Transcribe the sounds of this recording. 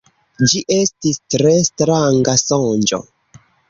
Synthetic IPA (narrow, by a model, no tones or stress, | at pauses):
d͡ʒiʔe̞stistɾestɾaŋɡasond͡ʒo̰